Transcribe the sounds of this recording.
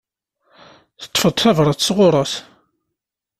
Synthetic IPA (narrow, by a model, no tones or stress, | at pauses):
θə̥t̪ˤːfəðˤθævɾˤəθsʁʊɾˤəθ